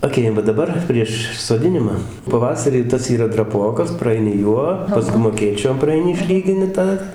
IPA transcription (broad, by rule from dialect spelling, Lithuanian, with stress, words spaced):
ɐˈkʲeːjɛm ʋɐ dɐˈbɐr pʲrʲiɛʃ soːˈdʲɪnʲɪmɐ pɐˈʋɑːsɐrʲiː ˈtɐs iːˈrɐ drɐˈpoːkɐs prɐˈɐɪnʲɪ ˈjuɔ pɐˈskʊm ɐˈkʲeːt͡ʃʲoːm prɐɐɪˈnʲɪ ɪʃʲˈlʲiːɡʲɪnʲɪ ˈtɑː